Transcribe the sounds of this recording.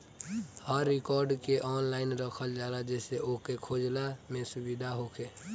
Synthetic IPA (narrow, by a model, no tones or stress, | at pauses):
həɾːɪkɔːɾɖkeʔɔːnlaɪnɾəkʰəld͡ʒalad͡ʒɛːseʔokekʰoːd͡ʒlamẽsʊbid̪ʱaɦokʰe